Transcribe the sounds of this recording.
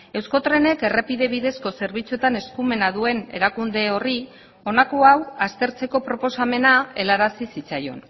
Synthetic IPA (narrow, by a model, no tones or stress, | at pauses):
e̞wsko̞t̪ɾe̞ne̞ke̞repiðe̞β̞iðe̞sko̞se̞ɾβit͡suet̪ane̞skume̞naðue̞ne̞̰ɾakund̪e̞o̞ri | o̞nakoawast̪e̞ɾt͡se̞ko̞pɾo̞po̞same̞nae̞laɾasisit͡sajo̞̰n